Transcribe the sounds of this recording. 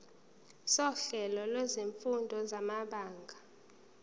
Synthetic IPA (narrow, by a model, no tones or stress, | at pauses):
sɔɬɛlɔlwezeɱfundʱɔzamaɓaːŋɡʱa